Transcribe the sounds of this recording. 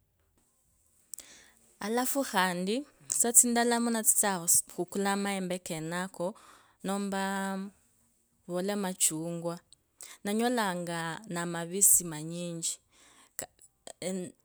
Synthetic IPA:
alafuxandisat͡sindalamunat͡si̥t͡saxukulamaɛmbɛkɛnakɔ | nɔmba | βɔlamat͡ʃuŋɡwa | naɲɔlaŋɡanamaβisimaɲiɲd͡ʒi

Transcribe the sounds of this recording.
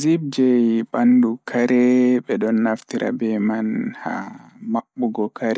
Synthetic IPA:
zib̚d͡ʒɛjbandukʰaɾɛbɛɗɔnːaftiɾa̰bɛmanha̰maɓːuɡɔkʰaɾɛ

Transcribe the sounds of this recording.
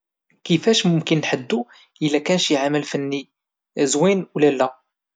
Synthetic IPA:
kəfæʃmʊmkənːħəd̪ːu | ʔəlːækænʃjʕaməlfənːi | zwinwlælːæ

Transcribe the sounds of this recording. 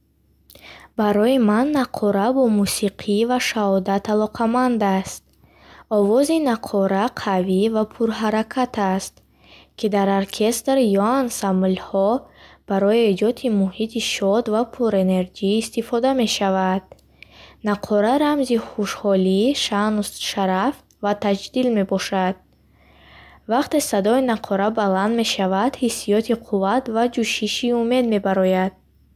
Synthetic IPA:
baɾɔimanːaqʰɔɾabɔmusiqʰivaʃahɔd̪at̪ʰalɔqʰamand̪ast̪̚ | ɔvɔzinaqʰɔɾaqʰavivapʰuɾɦaɾakʰat̪ʰast̪ | kʰid̪aɾoɾkʰe̞st̪ɾjɔansamlhɔb̥aɾɔie̞d͡ʒɔt̪ʰimuhit̪ʰiʃɔd̪vapʰuɾe̞ne̞ɾd͡ʒiːst̪ifɔd̪ame̞ʃavad̪̥̚ | naqʰɔɾaɾamziχuʃhɔliʃanusʃaɾaf | vat̪ʰad͡ʒd̪ilme̞bɔʃad̪̥̚ | vaqt̪e̞sad̪ɔinaqʰɔɾabaland̪me̞ʃavad̪hisːijɔt̪ʰiqʰuvat̪vad͡ʒuʃiʃiume̞d̪me̞baɾɔjad̪̥̚

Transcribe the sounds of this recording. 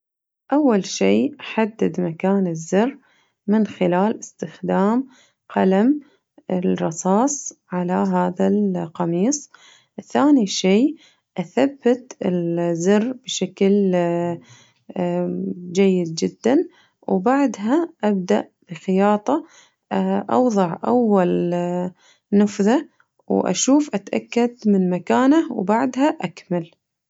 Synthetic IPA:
ʔawːalʃiːʔaħad̪ːɪd̪makaːnɪzːɪrː | mɪnxɪlaːlɪst̪ɪxd̪aːm | qɑlam | ɪlɾˤɑsˤɑːsˤʕalaɦaːðalqɑmiːsˤ | ʔɪθaːniʃiː | ʔaθabːat̪ɪlzɪrːb̥ʃakl | d͡ʒajːɪd̪̚d͡ʒɪd̪ːan | wbaʕd̪ɦaʔab̚d̪a̰ʔb̥ɪxɪjɑːt̪ˤɑ | ʔɑ̰wðˤɑʕʔa̰wːal | nɨfða | wʔa̰ʃuːfʔat̪ʔa̰kːad̪mɪnmakaːnawbaʕd̪haʔakmal

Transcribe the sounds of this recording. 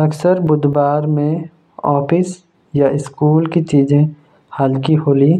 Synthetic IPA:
ɐksəɾbʊd̪baːɾmẽ | ɔːpɪs | jaɪskuːlkit͡ʃiːzẽ | haːlkiɦoːliː

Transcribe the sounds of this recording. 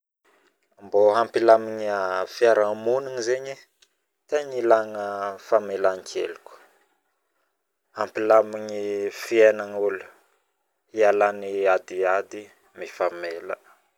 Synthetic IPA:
amboɦampilamiɲafiaɾamuniŋizeɲi | t̪eɲilaŋəfamelaŋkʰḛluku̥ | hampilamiɲifienaŋulu̥ | ialaniad̪iad̪i | mifamelə

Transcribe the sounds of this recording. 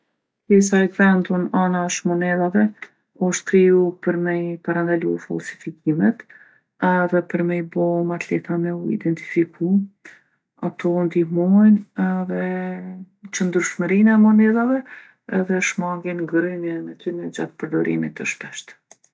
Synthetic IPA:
pjɛsaɛɡvɛnd̪ɔnanaʃmɔnɛðavɛ | ɔʃt̪̚kɾijupəɾmɛjpaɾand̪alufa̰lsi̥fikimɛt̪ | ɛðɛpəɾmɛjbɔmat̪lɛt̪anɛuḭd̪ɛnt̪i̥fiku | at̪ɔnd̪imɔjnɛðɛ | t͡ɕənd̪ɾyʃməɾinɛmɔnɛðavɛ | ɛðɛʃmaŋɡɛnɡɾimjɛmɛt̪ynɛd͡ʒa̰t̪pəɾd̪ɔɾḭmit̪əʃpɛʃt̪

